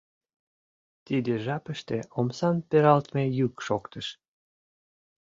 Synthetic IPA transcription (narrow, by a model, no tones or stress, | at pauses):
t̪id̪ĕʒɑpə̆ʃt̪eomsɑnpeɾɑlt̪mejykʃokt̪əʃ